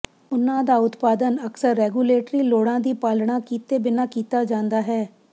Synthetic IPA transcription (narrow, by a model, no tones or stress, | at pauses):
ʊnãːd̪aːʊt̪paːd̪ənəksəɾːɛːɡuːleːʈɾiːloːɽãːd̪iːpaːlɳãːkiːt̪eːbɪnaːkiːt̪aːd͡ʒãːnd̪aːɦɛː